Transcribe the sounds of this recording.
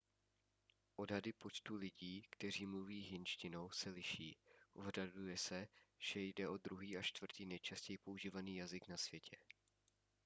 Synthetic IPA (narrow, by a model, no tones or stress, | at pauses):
ʔo̞dɦadɪpo̞t͡ʃt̪ulɪɟiːkt̪ɛr̝iːmluviːɦɪnʃcɪno̞wsɛlɪʃiːʔoɦradujɛsɛʒ̥ɛjdɛʔo̞d̪ɾuɦiːat͡ʃt̪v̥r̩t̪iːnɛjt͡ʃascɛjɪpouʒiːvaniːjazɪknasv̥jɛcʰɛ